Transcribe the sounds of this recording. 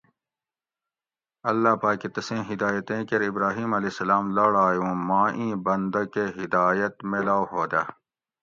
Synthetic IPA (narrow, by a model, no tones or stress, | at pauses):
ɐlːaːpaːkːit̪ɐsẽːɦid̪aːjɐt̪ẽːkɐɾibɾaːɦiːmɐleːsɐlaːmlɐɽaːjũːmãːʔĩːbɐnd̪ɐkeɦid̪aːjɐt̪meːlaːwɦoːd̪aː